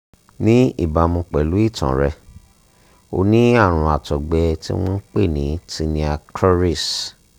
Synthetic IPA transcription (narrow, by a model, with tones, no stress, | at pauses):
nĩ˦ḭ˦˨ba˧mũ˧k͡pɛ˨lu˨˦i˦˨tã̰˨ɾɛ˧ | o̰˧nĩ˦a˦˨ɾ̃ũ˧a˨tɔ˨ɡ͡bɛ˧tḭ˦w̃ɔ̃˦n̩˦k͡pe˦˨nĩ˨˦ti˧nĩ˧a˧kʰɔ˦ɾi˦˨s